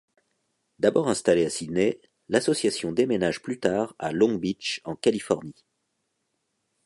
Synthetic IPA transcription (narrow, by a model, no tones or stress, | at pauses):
d̪abɔʁɛ̃st̪aleasine | lasɔsjasjɔ̃d̪emenaʒplyt̪aːʁa̰lɔ̃bit͡ʃɑ̃kalifɔʁni